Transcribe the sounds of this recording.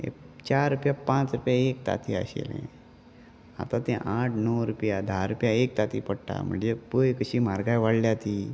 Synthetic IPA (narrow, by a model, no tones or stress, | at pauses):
ḛt͡ɕaɾːupjapãt͡sɾupjaek̚t̪a̰t̪ʰiə̰ɕḛlɛ̰̃ | a̰t̪ãt̪ɛ̃ʔaʈʰnəwɾupjad̪ʱaɾupjaek̚t̪at̪ipəɽʈa̰m̤ə̰ɳd͡zepəjkəɕiːmaɾɡajʋaɽljat̪iː